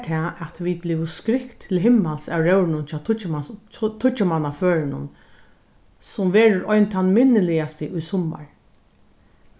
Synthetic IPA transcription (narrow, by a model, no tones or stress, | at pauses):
t̪ʰɛːɛt̪ʋid̪̚blɪʋʊskɾɪkt̪ʰːɪlɦɪmːalsawɾœwɾɪnʊnt͡ʃʰɑːʊt͡ʃ | t̪ʰʊt͡ʃamanaføːɾɪnʊ̰n | sʊmʋɛːɾʊɾɔjnt̪ʰanmɪnːəlɪast̪əʔʊjsʊma̰ɹ